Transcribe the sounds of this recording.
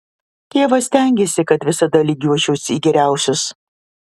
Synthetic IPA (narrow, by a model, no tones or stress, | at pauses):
t̪ʲeːʋɐsʲt̪ʲæˑŋʲɡʲesʲɪkɐt̪ʋʲɪsɐd̪ɐlʲiːɡʲuɔt͡ʃʲɛʊsʲiːɡʲɛɾʲæˑʊsʲʊs